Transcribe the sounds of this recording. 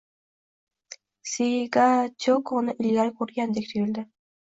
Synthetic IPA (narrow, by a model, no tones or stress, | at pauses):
siɡat͡ʃʰokʰonɪʔɪllʲaɾɪkʰɵɾɡʲand̪ekʲt̪ʰʊjɪld̪ɪ